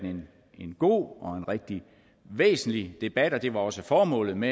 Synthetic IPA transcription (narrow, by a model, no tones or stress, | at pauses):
nen | e̝nɡ̥o̝̰ːɒ̽e̝nʁeɡ̥̚d̥i | ʋḛːsn̩lid̥e̝b̥æd̥ɒ̽d̥e̝ʋɑ̈ɒ̽səfɒːmɔ̰̽ːlð̩ˠme